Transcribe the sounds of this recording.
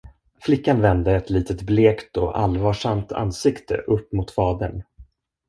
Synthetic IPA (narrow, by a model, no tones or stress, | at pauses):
flɪkːanvɛnd̪əɛt̪liːt̪ʰət̪bleːkt̪ɔʔa̰lvɑːʂamt̪ʰa̰nːsɪkt̪ʰə̰ʔɵpːmʊt̪fɑːd̪əɳ